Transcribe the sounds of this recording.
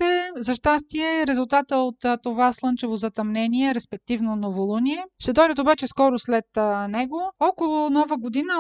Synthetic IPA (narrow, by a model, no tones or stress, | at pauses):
ɛzɐʃt̪ast̪iɛɾɛzʊlˠt̪at̪əot̪t̪ːovaslˠɤnt͡ʃɛvozɐt̪ɐmnɛniɛɾɛspɛk̚t̪ivnonovolˠuniɛʃt̪ɛd̪ɔjd̪ət̪obat͡ʃɛskɔɾʊslɛt̪nɛɡoɔkolˠʊnɔvəɡod̪inə